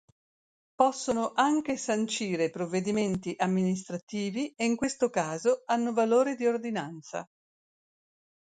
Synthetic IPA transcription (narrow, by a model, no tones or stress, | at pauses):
pɔsːonoʔaŋk̟esant͡ʃiːɾepɾovːed̪iment̪iʔamːinist̪ɾat̪iːvieiŋkwest̪okaːzoanːovaloːɾed̪iord̪inant̪sa̰